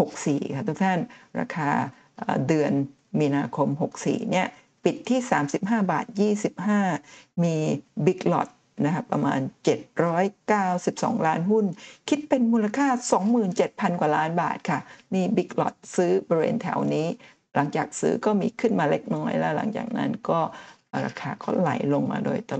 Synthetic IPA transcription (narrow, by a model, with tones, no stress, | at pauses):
ho˨˩k̚siː˨˩kʰa˥˩t̪ʰu˥k̚t̪ʰa˥˩nɾa̰ː˧kʰaː˧ | ʔa̰ː˨˩dɯ˧ən | miː˧naː˧kʰo˧mɦo˨˩k̚sḭː˨˩ni˥˩ɐ | pi˨˩t̪ʰːiː˥˩saː˩˦msi˨˩p̚ɦaː˥˩ba̰ː˨˩t̪̚jiː˥˩si˨˩p̚ɦaː˥˩miː˧bi˦˥k̚lɔ̰˨˩t̪̚ | na˦˥kʰa˦˥pːɾa̰˧ma̰ː˧nt͡ɕe˨˩t̪̚ɾɔː˦˥jkaː˥˩wsi˨˩p̚sɔ̰ː˩˦ŋlaː˦˥nɦu˥˩nkʰi˦˥t̪̚pe˧nmuː˧la˧kʰaː˥˩sɔː˨˩˦ŋmɯː˨˩nt͡ɕe˨˩t̪̚pʰa˧nkwaː˨˩laː˦˥nba̰ː˨˩t̪̚kʰa˥˩miː˧bi˦˥k̚lɔ̰˨˩t̪̚sɯː˦˥bɔ˧ɾi˧wḛː˧nt̪ʰɛ̰ː˨˩˦wniː˦˥ | la˩˦ŋt͡ɕaː˨˩k̚sɯ̰ː˦˥kɔː˥˩miː˧kʰɯ˥˩nmaː˧le˦˥k̚nɔː˦˥jlɛː˦˥wla̰˩˦ŋt͡ɕa̰ː˨˩k̚na̰˦˥nkɔː˥˩ | ɾa̰ː˧kʰaː˧kʰo̰˧˥˩nla̰˨˩˦jlo˧ŋma̰ː˧do̰ː˧jt̪a˧